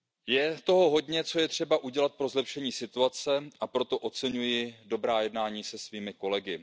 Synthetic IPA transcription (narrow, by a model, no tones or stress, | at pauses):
jɛt̪o̞ɦo̞ɦo̞dɲɛt͡so̞jɛt̪r̝̥ɛbaʔuɟɛlat̪̚pɾo̞zlɛpʃɛɲiːsɪt̪uat͡sɛʔapɾo̞t̪o̞ʔo̞t͡sɛɲujɪdo̞bɾaːjɛdnaːɲiːsɛsviːmɪko̞lɛɡɪ